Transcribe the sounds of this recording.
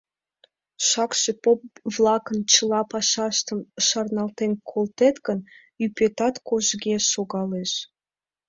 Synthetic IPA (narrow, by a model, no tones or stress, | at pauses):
ʃɑkʃepopβlɑkənt͡ɕəlɑpɑʃɑʃt̪əmʃɑrnɑlt̪enkʰolt̪et̪ɡən | ypet̪ɑt̪koʒɡeʃoɣɑleʃ